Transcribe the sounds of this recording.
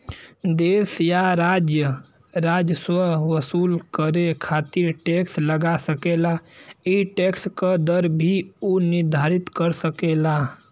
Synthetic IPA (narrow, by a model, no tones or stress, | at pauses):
d̪esjaɾad͡ʒjə | ɾad͡ʒəswəɦʋəsulkəɾekʰat̪iɾʈeksləɡasəkelaiʈekskəd̪əɾbʱioniɾd̪ʱaɾit̪kəɾsəkela